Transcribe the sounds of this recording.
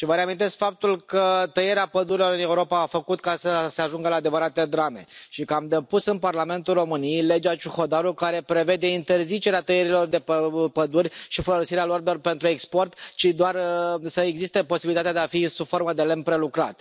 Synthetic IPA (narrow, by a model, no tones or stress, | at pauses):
ʃivəɾeamint̪e̞skfap̚t̪ulkət̪əjeɾeapəd̪uɾilo̞ɾɨne̞uɾo̞paːfəkut̪kasəse̞aʒuŋɡəlaːd̪e̞vəɾat̪ed̪ɾame̞̰ʃikəamd̪epusɨnparlame̞nt̪ulro̞mɨnijejle̞d͡ʒat͡ʃuxo̞d̪aɾukaɾe̞pɾe̞ve̞d̪e̞int̪e̞rzit͡ʃe̞ɾeat̪əjeɾilo̞rd̪e̞pəpəd̪urʲʃifolosiɾealo̞rd̪o̞rpe̞nt̪ɾuekspo̞rt̪t͡ʃid̪oarsəeɡzist̪epo̞sibilit̪at̪ead̪eafisufo̞rməd̪e̞lempɾe̞lukɾa̰t̪